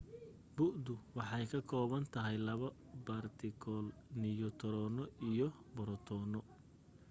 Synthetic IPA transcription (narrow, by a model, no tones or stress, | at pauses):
bʊʔd̪ʊwɑħɑjkʰɐkʰɔːβɐnt̪ʰɐɦɛjlɐβɐ | bart̪ʰɪkʰɔːlnɪjɔt̪ʰɔɾɔːnɔijɔbɔɾɔt̪ʰɔːnɔ